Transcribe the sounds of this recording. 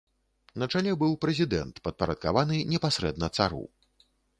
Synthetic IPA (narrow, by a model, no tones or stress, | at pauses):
nɐt͡ʂalʲɛbɨwpɾɛzʲid̪ɛ̰nt̪pɐt̪̚pɐɾɐt̪̚ka̰vanɨnʲɛpasʲɾɛd̪nɐt̪sa̰ɾṵ